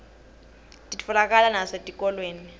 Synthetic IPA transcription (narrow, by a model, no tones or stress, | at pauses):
tʼitfɔlak̬ʼalanasetʼikʼɔlweːni